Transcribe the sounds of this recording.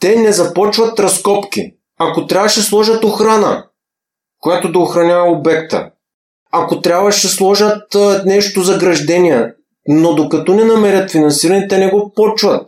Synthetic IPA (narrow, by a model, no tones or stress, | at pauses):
t̪ɛnɛzɐpɔt͡ʃvɐt̪ɾɐskɔpk̟ḭ | akot̪ɾʲabvəʃɛslˠɔʒɐt̪oxɾanɐ̰ | kojat̪od̪ɐoxɾɐnʲavɐobɛk̚t̪ə̰ | akot̪ɾʲabvɐʃɛslˠɔʒɐt̪nɛʃt̪ozɐɡɾɐʒd̪ɛniɛ | nod̪okɐt̪ɔnɛnɐmɛɾʲɐt̪finɐnsiɾɐnɛt̪ɛnɛɡopɔt͡ʃvɐt̪̚